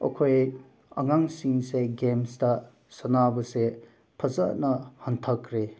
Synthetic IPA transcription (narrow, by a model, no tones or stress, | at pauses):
ɐ̰kʰoj | ɐ̰ŋaŋsiŋseɡemstɐ | sɐnabɐse | pʰɐzanɐhɐntʰɐkɾe